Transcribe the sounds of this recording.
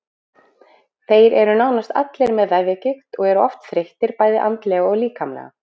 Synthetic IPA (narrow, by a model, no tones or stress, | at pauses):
θeːjɾɛɾʏnawnast̪a̰t̪lɛɾmɛðːajvjacɪxt̪ɔɣɛɾʏɔft̪θɾeht̪ɪɾpaːjðɪʔa̰nt̪lɛɣaɔɣliːkamlɛ̰ɣa̰